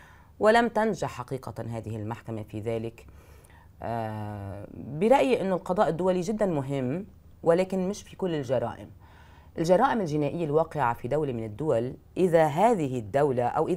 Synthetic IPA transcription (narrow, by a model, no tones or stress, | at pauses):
wɪlamt̪anʒaħħaqiːqaɦaːðɪhɪlmaħkamafiðaːlɪk | bɪɾˤɑʔjʔɪnːʊlqɑd̪ˤɑːʔɪd̪ːʊwaliʒɪd̪ːanmʊɦɪmː | wɪlaːkɪnmɪʃfikʊlːɪlʒɑɾˤɑ̰ːʔɪ̰m | ʔɪlʒɑɾˤɑːʔɪmɪlʒɪnaːʔɪjːalwɑːqɪʕafid̪awlimɪnɪd̪ːʊwalʔɪðaɦaːðɪɦɪd̪ːawlaʔa̰wʔɪ